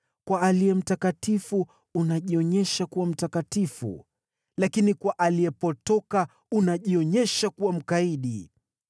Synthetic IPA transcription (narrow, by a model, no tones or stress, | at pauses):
kwaalijɛm̩takatifuː | naʄiɔɲɛʃakuwam̩takatifṵ | lakinikwaʔalijɛpɔtɔka | unaʄiɔɲɛʃakuwam̩kaiɗi